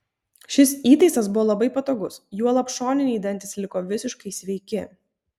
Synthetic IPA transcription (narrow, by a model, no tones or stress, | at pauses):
ʃʲɪsiːt̪ɐɪsɐs̬bʊʋoɔːlˠɐbɐɪpɐt̪oːɡʊsjuɔlˠɐpʃoːnʲɪnʲɪid̪ʲɐnʲt̪ʲɪslʲɪkoːʋʲɪsʲɪʃkɐɪsʲʋʲɛɪkʲɪ